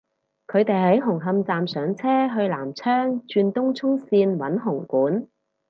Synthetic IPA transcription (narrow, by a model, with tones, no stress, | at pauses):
kʰɵ˨˧ɥt̪e˨jɦɐ˨˥jɦʊ˨˩ŋɦɐ˧mt͡saː˨msœː˨˧ŋt͡sʰɛː˥ɦɵ˧ɥlaː˨˩mt͡sʰœː˥ŋt͡ʃyː˧nt̪ʊ˥ŋt͡sʰʊ˥ŋsiː˧nwɐ˨˥nɦʊ˨˩ŋkuː˨˥n